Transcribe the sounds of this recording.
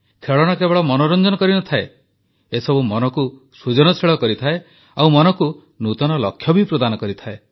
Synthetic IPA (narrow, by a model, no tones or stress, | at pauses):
k̪ʰeɭɔɽ̃akebɔɭɔmɔnɔɾɔnd͡ʒɔnɔkɔɾinɔt̪ʰae | esɔbumɔnɔku | sud͡ʒɔnɔsiɭɔkɔɾit̪ʰae | awmɔnɔku | nut̪ɔnɔlɔkʰːjɔbʱipɾɔd̪anɔkɔɾit̪ʰae